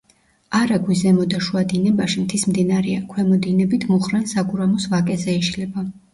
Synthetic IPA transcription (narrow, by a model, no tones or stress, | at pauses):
aɾaɡwizɛmɔd̪aʃuad̪inɛbaʃimt̪ʰismd̪inaɾɛakʰwɛmɔd̪inɛbit̪ʰmɔχɾansaɡuɾamɔsvakʼɛzɛiʃlɛba